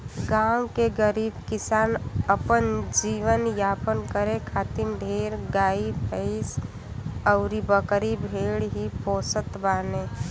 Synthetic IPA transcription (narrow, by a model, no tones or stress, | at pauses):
ɡãːkeɡəɾiːbkɪsaːnəpənd͡ʒiːʋənjaːpənkəɾẽkʰaːt̪imd̪ʱeːɾɡaːipʰəɪs | əʊɾibəkɾibʱeːɽɦipoːsət̪baːneː